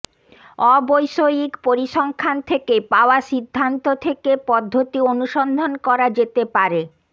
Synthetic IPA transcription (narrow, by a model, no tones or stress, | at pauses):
ɔbojʃojikpoɾiʃɔŋkʰant̪ʰekepaoaʃid̪ʱːant̪ot̪ʰekepɔd̪ʱːot̪ionuʃɔnd̪ʱonkɔɾad͡ʑet̪epaɾe